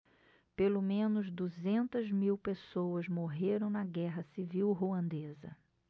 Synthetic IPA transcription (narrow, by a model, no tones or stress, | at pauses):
pelomẽnʊzd̪uzẽnt̪ɐzmiwpesowɐzmoɦeɾɐ̃w̃nɐɡɛɦɐsiviwɦoɐ̃nd̪ezɐ̰